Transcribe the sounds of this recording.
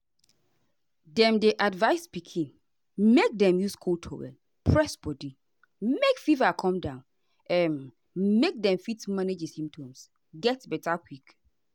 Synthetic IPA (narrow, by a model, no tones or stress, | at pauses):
dɛ̃mdeʔadvaɪspikʰĩn | mek̚dɛ̃mjuskʰoltʰɔ̰ɹɛ̰n | pʰɹɛsb̥ɔdi | mekfivakʰɔ̃mdãʊ̃n | ɛn | mek̚dɛ̃mfitmãned͡ʒesĩmptʰɔ̃ms | ɡɛtbɛtʰakʰwik